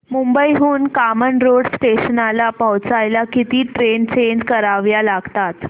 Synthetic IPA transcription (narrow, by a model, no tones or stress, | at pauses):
mumbəiɦuːnkamənɾoɽsʈeɕənalapawt͡sajlakit̪iːʈɾent͡ɕeɲd͡ʑkəɾaʋjalaɡt̪at̪